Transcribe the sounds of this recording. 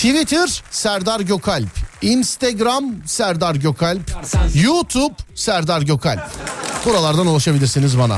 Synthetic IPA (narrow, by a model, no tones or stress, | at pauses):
t̪ʰivit̪ʰɪɾsæɾd̪aɾɟokʰalʲpinst̪ʰeɡɾamsæɾd̪aɾɟokʰalʲpjut̪ʰubsæɾd̪aɾɟokʰalʲpbuɾalˠaɾd̪anulˠaʃabilʲiɾsinizbana̰